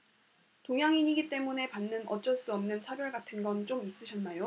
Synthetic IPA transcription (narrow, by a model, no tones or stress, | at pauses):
toŋɦjaŋiɲiɡit͈e̞mune̞panːɯnʌt͡ɕ͈ʌɭs͈uʌmnɯnt͡ɕʰabjʌɭɡatʰɯnɡʌnt͡ɕ͈omis͈ɯɕʰʌnːajo